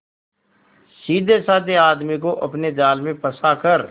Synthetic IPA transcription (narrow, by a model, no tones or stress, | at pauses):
siːd̪ʱesaːd̪eaːd̪mik̬oʔɐpned͡ʒaːlmẽpɐsakəɾ